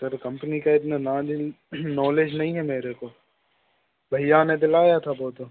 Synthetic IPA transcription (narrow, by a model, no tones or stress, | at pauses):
sɐɾkɐ̃mpənikaɪt̪nana | nɔːleːd͡ʒnɐɦĩɦɛmeːɾeko | bʱɐɪjãːned̪ɪlaːjat̪ʰaboːt̪o